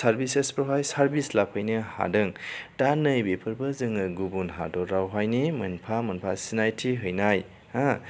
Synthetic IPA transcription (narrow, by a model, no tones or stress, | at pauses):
saɾbisespɾɔɦajsaɾbislapʰajnɯha̰dɯŋtanɯjbepʰɯɾbɯzɯŋɯɡubunɦa̰dɔɾɾawɦajnimɯnpʰamɐnpʰasinajtʰiɦɯjnaj | a